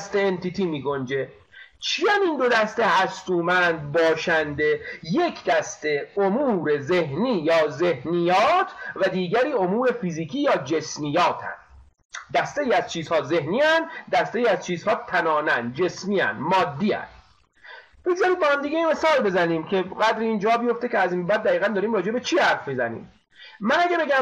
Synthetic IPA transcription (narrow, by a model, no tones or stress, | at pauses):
st̪eːnt̪ʰit̪ʰiːmiːɡo̞nd͡ʒe̞ | t͡ʃʰijæniːnd̪od̪æst̪ehæst̪uːmænd̪̚bɒːʃænd̪eje̞kʰd̪æst̪e̞omuːɾezehniːjɒːze̞hnijɒːt̪ʰvæd̪iːɟæɾiːo̞muːɾe̞fiziːkʰiːjɒːd͡ʒe̞smijɒːt̪ʰæ̰nd̪̥ | d̪æst̪eiːæz̥t͡ʃʰiːzhɒːze̞hniːænd̪d̪æst̪eiːæzt͡ʃʰiːzhɒːt̪ʰænɒːnænd̪̚d͡ʒe̞smiːæ̰nd̪mɒːd̪ːiːæ̰n | b̥eɡzɒːɾiːd̪bɒhæmd̪iːɡeinme̞sɒːlbe̞zæniːmcʰe̞ɡæd̪ɾeiːnd͡ʒɒːbijo̞ft̪eceæziːmbæːd̪ːæiːɣænd̪ɒːɾiːmɾɒːd͡ʒe̞bet͡ʃʰiːhæɾfmizænḭːm | mænæɟæbe̞ɟæ